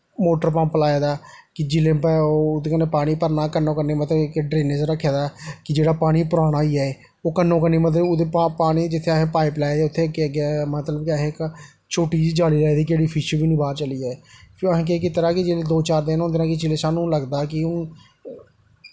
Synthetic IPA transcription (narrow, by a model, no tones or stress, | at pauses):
moːʈəɾpãːmpəlaːeːd̪aːkɪd͡ʒɪlẽːpɛod̪ekənːeːpaːɽ̃iːpəɾnaːkənõːkəneːmət̪ləbkɖɾeːnet͡ʃɾəkʰːeːd̪aːkɪd͡ʒeːɽaːpaːɽ̃iːpʊɾaːɽ̃aːiːɛː | oːkənːõːk̬ənːiːmət̪̬ləbod̪epapaːɽ̃iːd͡ʒɪt̪ʰːeːəɦẽːpaːiplaːed̪eːʊt̪ʰːeːkeːəɡaːmət̪ləbkɪəɦẽːk | t͡ʃʰoːʈiːd͡ʒd͡ʒaːliːlaːeːd̪iːkeːɽiːpʰɪʃəbiːnĩːbaːɾt͡ʃəliːɛːəɦẽːk̬ekɪt̪əɾãːkɪd͡ʒeled̪oːt͡ʃaːɾd̪eːnõnd̪eɾãːkɪt͡ʃɪleːsaːnũːləɡd̪aːkɪʊ